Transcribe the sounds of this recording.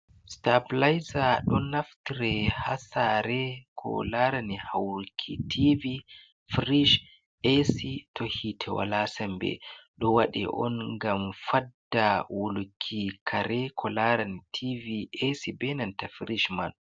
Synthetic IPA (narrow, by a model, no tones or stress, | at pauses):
stablajzaɗɔnːaftiɾɛhasaɾɛkʰɔ̰laɾanihawɾukʰitʰivi | fɾiʃ | ʔesitʰɔhitʰɛwa̰lasɛmbɛ̰ɗɔwaɗɛ̰ʔɔnɡamfadːawulukʰːikʰaɾɛkʰɔlaɾanitʰiviʔesibɛnantafɾiʃman